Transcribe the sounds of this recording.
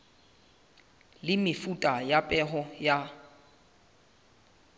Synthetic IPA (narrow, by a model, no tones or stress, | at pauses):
lɪmɪfutʼajapʼɛɦɔja